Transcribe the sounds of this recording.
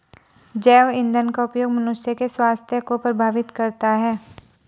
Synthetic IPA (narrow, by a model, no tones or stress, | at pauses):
d͡ʒɛːʋɪ̃nd̪ənkaʊpjoːɡmɐnʊsjəkeswaːst̪ʰjəkopɾɐbʱaːʋɪt̪kɐɾt̪aɦɛː